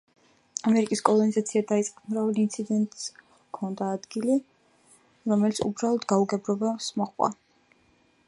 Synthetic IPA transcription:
amɛɾikʼiskʼɔlˠɔnizat̪sʰiad̪ait̪sʼqʼamɾavɛlint̪sʰid̪ɛnt̪ʼs | kʰɔnd̪aːd̪ɡili | ɾɔmɛlit̪sʰṵbɾalˠɔd̪ɡauɡɛbɾɔbasmɔχwa̰

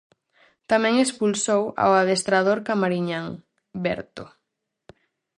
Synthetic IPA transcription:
t̪amɛ̃ŋespulsowa̰waðest̪ɾað̞oɾkamaɾiɲaŋ | bɛ̰ɾt̪o

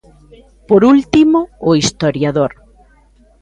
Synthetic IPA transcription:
poɾult̪imoːist̪oɾjaðoɾ

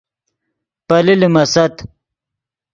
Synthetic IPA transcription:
pɐlilimɐsɐt̪

